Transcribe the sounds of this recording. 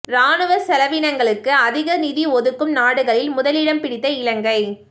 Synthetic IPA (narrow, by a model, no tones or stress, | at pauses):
ɾaːɳɯʋɐsɛlɐʋiːnɐŋɡɐɭɯkːɯɐðɪɣɐnɪðiɔðɯkːɯmnaːɽɯɣɐɭɪlmʊðɐlɪɽɐmpɪɽɪt̪ːɐɪlɐŋɡɐɪ